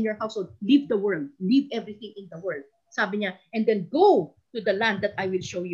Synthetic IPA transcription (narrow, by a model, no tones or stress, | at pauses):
njɔɹhawshold̪̚livd̪ɐwɛɹld̪̚livɛvɹɪθɪ̃ŋɪ̃nd̪ɐwɛɹld̪̚ | saːbɪɲaʔɛ̃nd̪ɛ̃nɡow | t̪ʊd̪ɐlãnd̪ːɐt̪ajwɪlʃowju